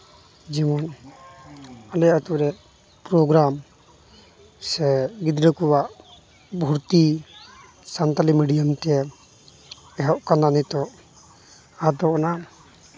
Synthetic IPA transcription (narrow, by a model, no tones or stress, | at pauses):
d͡ʒɛmɔn | alɛjat̪uɾɛ | pɾɔɡɾam | sɛɡid̪ɾəkɔwaʔ | bʱuɾt̪i | sant̪alimiɖijamt̪ɛɛ | ɛɦɔʔkananit̪ɔʔ | ad̪ɔɔna